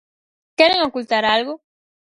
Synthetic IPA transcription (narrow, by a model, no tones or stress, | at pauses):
kɛɾeŋokult̪aɾalɣo